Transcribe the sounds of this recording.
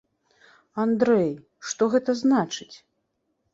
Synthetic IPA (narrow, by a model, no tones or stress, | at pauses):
and̪ɾɛj | ʂt̪ɔɣɛt̪ɐznat͡ʂɨt͡sʲ